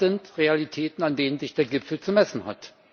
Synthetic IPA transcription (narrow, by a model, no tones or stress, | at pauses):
ɪntʁealitʰɛːtn̩andeːnənzɪçd̥eːɐɡɪpfl̩t͡sumɛsn̩ha̰t